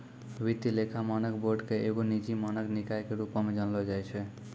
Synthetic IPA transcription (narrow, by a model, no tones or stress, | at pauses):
ʋit̪ːilekʰamanəkboɖkeeɡonid͡ʒimanəknikajkeɾupamed͡ʒənlɔd͡ʒajt͡ʃʰɛ